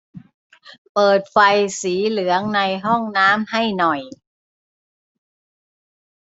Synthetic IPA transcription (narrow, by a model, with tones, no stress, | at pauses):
pɤː˨˩t̪̚fa˧jsiː˩˦lɯ˩˦əŋna˧jɦɔ˥˩ŋnaː˦˥mha˥˩jnɔ˨˩j